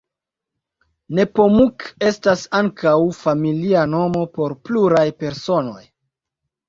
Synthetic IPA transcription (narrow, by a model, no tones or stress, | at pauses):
ne̞po̞muke̞stasaŋkawfamiliano̞mo̞po̞ɾpluɾajpe̞ɾso̞no̞̰j